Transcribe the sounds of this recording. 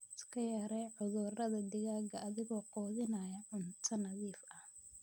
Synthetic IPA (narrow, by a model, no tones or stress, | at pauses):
ɪskʰɐjɐːɾɛjʕʊðʊrɐðɐd̪ɪɣaːɡɐʔɐðɪɣɔːqɔːðɪnɐjɐʕʊnt̪ʰɐnɐðiːfɐ